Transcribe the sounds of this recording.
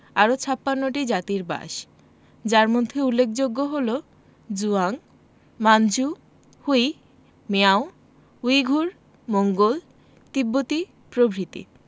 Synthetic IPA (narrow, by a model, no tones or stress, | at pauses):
aɾot͡ɕʰapːanːoʈid͡ʑat̪iɾba̰ʃ | d͡ʑaɾmod̪ʱːeulːek̚ʰd͡ʑoɡːoɦolo | d͡ʑuaŋ | mand͡ʑu | huj | meao | ujɡʱuɾ | moŋɡol | t̪ibːot̪i | pɾobʱɾit̪ḭ